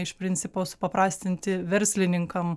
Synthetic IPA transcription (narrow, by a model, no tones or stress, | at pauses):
ɪʃpʲɾʲɪnʲtsʲɪpoːsʊ̥pɐpɾɑːsʲt̪ʲɪnʲt̪ʲɪʋʲɛɾʲsʲlʲɪnʲɪŋkɐm